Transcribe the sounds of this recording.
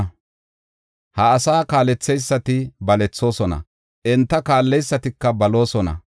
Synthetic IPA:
hɐːsaːkaːlɛt͡sːɛjsːɐt̪ɪbɐlɛt͡sːo̞ːsɔnɐ̰ | ʔɛnt̪ːɐkaːlːɛjsːɐt̪ɪkːɐbɐlo̞ːsɔnɐ̰

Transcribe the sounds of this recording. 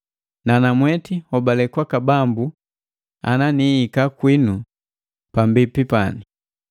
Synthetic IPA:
nanamwɛtihɔbalɛkwakabambu | a̰naniikakwinu | pambipipa̰ni

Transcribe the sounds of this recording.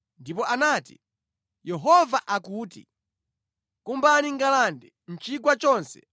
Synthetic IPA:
ndip̬ɔʔanaːtḭ | jɛɦɔvaʔakuːtḭ | kumbaniŋɡalandɛ | n̩t͡ʃikwat͡ʃɔːnsɛ̥

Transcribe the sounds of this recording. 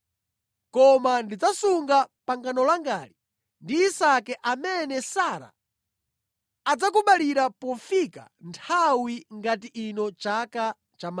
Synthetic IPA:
kɔmandid͡zasuŋɡapaŋɡanɔlaŋɡaːli | ndiːsakɛʔamɛnɛsaɾa̰ | ad͡zak̬uɓaliɾapɔfika̰ntʰawiŋɡatiʔinɔt͡ʃaka | t͡ʃama

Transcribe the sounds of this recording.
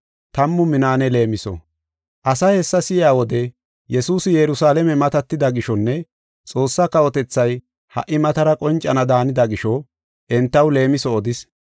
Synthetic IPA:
t̪ɐmːʊmɪnaːnɛle̞ːmɪsɔ̰ | ʔɐsɐhɛsːɐsɪjaːwɔd̪ɛ | jɛsuːsɪjɛɾʊsaːlɛmɛmɐt̪ɐt̪ːɪd̪ɐɡɪʃɔnːɛ | t͡sʼo̞ːsːɐkɐwɔt̪ɛt͡sːɐj | hɐ̰ʔːɪmɐt̪ɐɾɐkʼɔnt͡ʃʼɐnɐd̪aːnɪd̪ɐɡɪʃɔ | ʔɛnt̪ːɐwle̞ːmɪsɔːd̪ɪs

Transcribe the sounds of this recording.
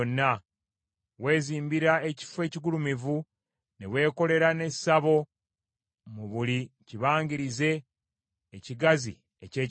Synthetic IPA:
nːa | we̞ːziːmbiɾae̞ci̥fwe̞ːciɡulumivu | newe̞ːko̞le̞ɾane̞saβo̞ | muβuliciβaːŋɡiɾize̞ː | ciɡazḭ | ḛce̞ː

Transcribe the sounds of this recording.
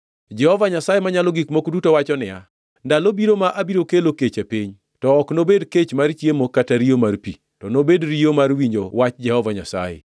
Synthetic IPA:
d͡ʒɛhɔvaɲasajemaɲalɔɡikmokdutowat͡ʃɔnɪja̰ | ndalobiɾomaʔabiɾokeloket͡ʃapiɲ | tɔːknobedket͡ʃmart͡ʃjemokataɾijomarpi | tɔnobedɾiomarwiɲd͡ʒowat͡ʃd͡ʒɛhɔvaɲasa̰jḛ

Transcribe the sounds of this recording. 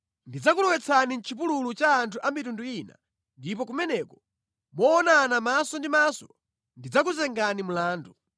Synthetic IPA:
ndid͡zak̬ulɛwɛt͡sʰanin̩t͡ʃʰip̬ululut͡ʃaːntʰuʔamitunduina̰ | ndipɔk̬umɛnɛkɔ̥ | mɔːnanamasɔndimasɔ | ndid͡zakuzɛŋɡanimulaːndu

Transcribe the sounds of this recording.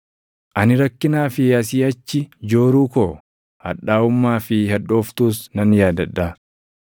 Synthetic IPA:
ʔɐnɪɾɐkːɪnaːfɪɐs̬iːɐt͡ʃːɪd͡ʒo̞ːɾuːkoː | hɐ̰ᶑːaːʊmːaːfɪhɐᶑo̞ːft̪uːsnɐnjaːd̪ɐᶑːaː

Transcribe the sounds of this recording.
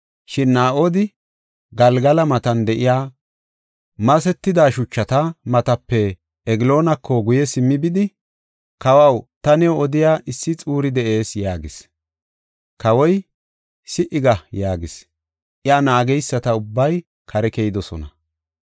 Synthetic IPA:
ʃɪnːaːʔoːd̪ɪ | ɡɐlɡɐlɐmɐt̪ɐnd̪ɛʔɪjaː | mɐsɛt̪ːɪd̪aːʃʊt͡ʃːɐt̪ɐmɐt̪ɐpːɛː | ɡɪlo̞ːnɐkʰːɔɡʊjɛsɪmːɪbɪd̪ɪ | kɐwɐwt̪ɐnɛoɔd̪ɪjaːʔɪsːɪt͡sʼuːɾɪd̪ɛʔe̞ːsjaːɡɪs | kɐwɔj | sɪʔɪɡɐjaːɡɪs | ʔɪaːnaːɡɛjsːɐt̪ɐʊbːɐj | kʰɐɾɛkɛjɪd̪ɔsɔnɐ

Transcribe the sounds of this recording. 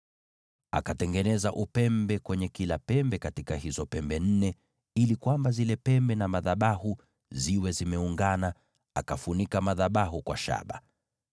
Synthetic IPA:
a̰katɛŋɡɛnɛzaʔupɛmbɛkwɛɲɛkilapɛmbɛkatikahizɔpɛmbɛn̩nɛ | ilikwambazilɛpɛmbɛnamaðaɓahu | ziwɛzimɛuŋɡana | a̰kafunikamaðaɓaɦukwa̰ʃa̰ɓa

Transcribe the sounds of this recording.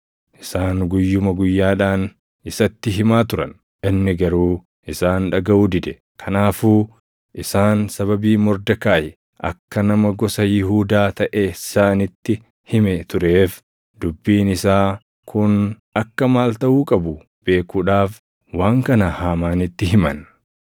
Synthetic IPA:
ʔɪsaːŋɡʊjːʊmɐɡʊjːaːᶑaːn | ɪsɐt̪ːɪɦɪmaːt̪ʊɾɐ̰n | ʔɪnːɪɡɐɾuː | ʔɪsaːnᶑɐɡɐʔuːd̪ɪd̪ɛ | kʰɐnaːfuː | ʔɪsaːnsɐβɐbiːmɔɾd̪ɐkaːjɛ | ʔɐ̰kːɐnɐmɐɡɔsɐjɪɦuːd̪aːt̪ɐʔesaːnɪt̪ːɪ | hɪmɛt̪ʊɾeːf | d̪̥ʊbːiːnɪsaː | kʰʊn | ɐkːɐmaːlt̪ɐʔuːkʼɐbʊ | b̥e̞ːkuːᶑaːf | waːŋkɐnɐhaːmaːnɪt̪ːɪɦɪmɐn

